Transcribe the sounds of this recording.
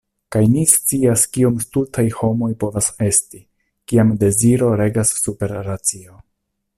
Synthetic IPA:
kajnist͡siaskiomstutʰajho̞mo̞jpo̞vase̞sti | kiamde̞ziɾo̞ɾe̞ɡasːupe̞ɾːat͡sio̞

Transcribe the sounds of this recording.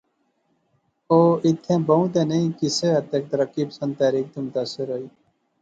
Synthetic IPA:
oːit̪ʰːẽːbɐũt̪̬eːneĩkiseɐt̪ek̚t̪ɐɾɐkːiːpsə̃nd̪̚aːɾiːk̚t̪umt̪asəɾoiː

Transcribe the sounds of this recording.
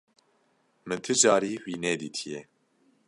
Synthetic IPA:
mɨnt̪ʰɨd͡ʒɑːɾiːwiːnɛːd̪iːt̪ʰijɛ

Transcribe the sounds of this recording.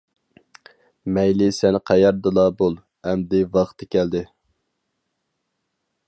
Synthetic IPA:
mɛjlɪsɛnqʰæjɑɾd̪ɨlˠɑbolˠ | ɛmd̪ɪvɑχt̪ʰɪkʲɛld̪ɪ

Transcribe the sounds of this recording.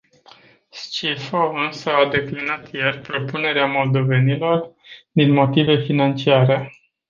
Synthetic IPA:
st͡ʃifoɨnsəad̪e̞klinat̪jerʲpɾo̞pune̞ɾeamo̞ld̪o̞ve̞nilo̞r | d̪inmo̞t̪ive̞finant͡ʃiaɾe̞

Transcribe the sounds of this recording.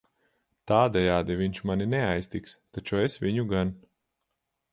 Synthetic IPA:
t̪aːd̪ɛjaːd̪iviɲʃmaninɛajsʲt̪ikst̪at͡ʃuɛsvʲiɲuɡan

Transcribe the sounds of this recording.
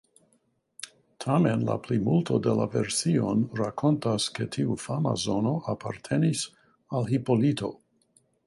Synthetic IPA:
tʰame̞nla̰plimultʰo̞dela̰veɾsionɾakʰo̞ntasketʰiufama̰zo̞no̞ʔapʰa̰ɾtʰe̞nis | alɦipo̞lito̞̰

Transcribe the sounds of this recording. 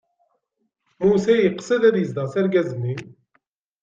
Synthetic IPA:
musæjiqsəðæðjəzd̪ɑsæɾɡæzənːi

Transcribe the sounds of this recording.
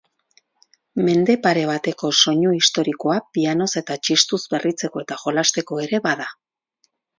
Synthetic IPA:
me̞nd̪e̞paɾe̞β̞at̪e̞ko̞so̞ɲuist̪o̞ɾiko̞apiano̞se̞t̪at͡ʃist̪uzbe̞rit͡se̞ko̞e̞t̪aʝo̞last̪e̞ko̞e̞ɾe̞βaða

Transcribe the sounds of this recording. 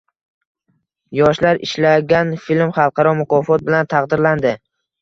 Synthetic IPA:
jɒʃlaɾɪ̰ʃlaɡʲanfilmχɑlˠqɑɾɒmʊqʰɒfɒt̪̚bɪlant̪ʰɑqd̪ɪɾland̪ɪ

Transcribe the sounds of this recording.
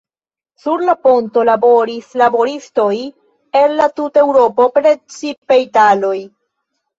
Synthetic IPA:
suɾlapo̞nto̞labo̞ɾislabo̞ɾisto̞j | e̞nːatute̞wɾo̞po̞pɾe̞t͡sipe̞jtalo̞j

